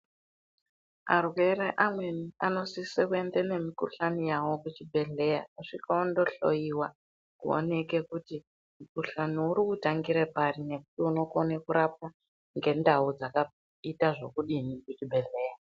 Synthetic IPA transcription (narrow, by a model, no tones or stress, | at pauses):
a̰rwe̞ɾeʔamwe̞niano̞sisekue̞ndene̞mikṵɬanijawo̞kut͡ʃibʱe̞ɮe̞jauʂikaondo̞ɬo̞̰jiwa | kṵo̰nekekuti | mukuɬaniuɾikutaŋɡiɾepaɾine̞ku̥tiuno̞konekuɾap̚a | ŋɡe̞ndaud͡zaka | itaʐo̞kuɗinikut͡ʃibʱe̞ɮeːja